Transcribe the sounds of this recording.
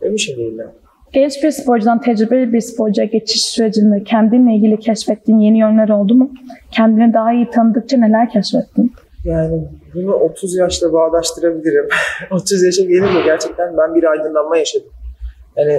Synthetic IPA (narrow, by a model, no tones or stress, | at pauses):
emiʃimd̪ejilʲa | ɟ̥ɛnt͡ʃbiɾspʰo̞ɾd͡ʒud̪ant̪ʰɛd͡ʒɾibelbiɾspʰo̞ɾd͡ʒuaɟet͡ʃʰi̥ʃsyɾe̞d͡ʒind̪iɾcʰɛnd̪inlʲeilʲɟilʲicʰɛʃfɛt̪ːiːnje̞nijø̞nlʲæɾo̞lˠd̪umucʰɛnd̪inid̪aɦaijit̪ʰanɯd̪ɯk̚t͡ʃʰane̞lʲæɾcʰɛʃfɛt̪ʰːin | jaːnibunuʔo̞t̪ʰuzjaʃlˠabaːlˠaʃt̪ʰɯɾabilʲiɾimo̞t̪ʰuzjaʃamɟenimuɟæɾt͡ʃʰɛc̚t̪ʰænbænbiɾajd̪ɯnlˠanmajaʃad̪ɯm | jani